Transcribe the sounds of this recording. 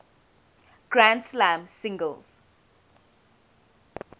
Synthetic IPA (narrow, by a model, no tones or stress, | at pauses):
ɡ̥ɹãndslãmsɪ̃ŋɡəlz̥